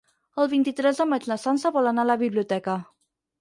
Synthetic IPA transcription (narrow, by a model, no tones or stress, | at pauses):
əlˠβint̪it̪ɾɛzd̪əmat̪lasansaβolanalaβibliut̪ɛka